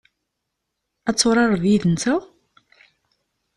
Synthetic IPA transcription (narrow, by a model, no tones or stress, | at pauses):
æt͡sːoɾˤɑɾˤðjiðənt̪æ